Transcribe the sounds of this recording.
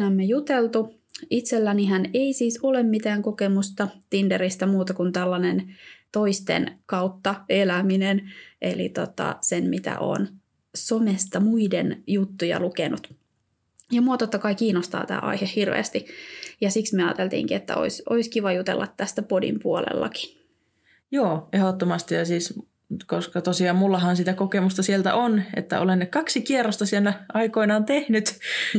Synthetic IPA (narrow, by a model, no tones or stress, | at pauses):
æmːejut̪elt̪u | it̪selːæniɦæneisiːsolemmit̪æːŋkokemust̪ɑt̪indeɾist̪æmuːt̪ɑkunt̪ælːɑnent̪o̞ist̪ḛnkɑut̪ːɑelæminenʔḛlḭt̪ot̪ɑ̰senmit̪æ̰ʔo̰ːn | somest̪ɑmuidenjut̪ːujɑ̰lukenut̪ | jɑmuot̪ot̪ːɑkɑikiːnost̪ɑ̰ːt̪æ̰ːʔɑ̰ihehirʋḛːst̪ijɑsiksmieɑ̰ːt̪elt̪ḭːŋkiet̪ːæ̰o̰isʔoiskiʋɑjut̪ḛlːɑt̪ːæst̪æpodḭmpuolḛlːɑki̥ | joːehot̪ːomɑst̪ijɑsiːs | koskɑt̪osiɑːmmulːɑhɑnsit̪ækokemust̪ɑsielt̪æ̰ʔonḛt̪ːæ̰o̰lenːekɑksikierːost̪ɑsielːæɑikoinɑːnt̪ehnyt̪